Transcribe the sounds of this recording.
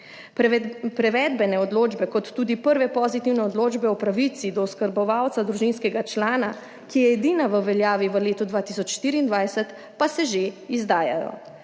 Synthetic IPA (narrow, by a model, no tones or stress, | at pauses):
pɾɛʋɛːd̪bɛnɛɔd̪loːd͡ʒbɛkɔt̪ːuːd̪ipəɾʋɛpɔzit̪iwnɛɔd̪loːd͡ʒbɛɔpɾaʋit̪sid̪ɔːskəɾbɔʋawt̪sad̪ɾuʒinskɛɡat͡ʃlaːna | kijɛːd̪inaʋəʋɛljaːʋiʋəleːt̪ud̪ʋaːt̪isɔt͡ʃʃt̪iːɾiːnd̪ʋajsɛt̪ | pasɛʒeizd̪aːja̰jɔ̰